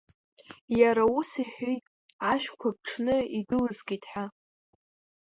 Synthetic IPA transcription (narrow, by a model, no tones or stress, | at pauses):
jaɾausiħʷojtʼ | aʃᶣkʷʰab̚ʈ͡ʂʰnɨidɨlɨzɡʲitʰʼħa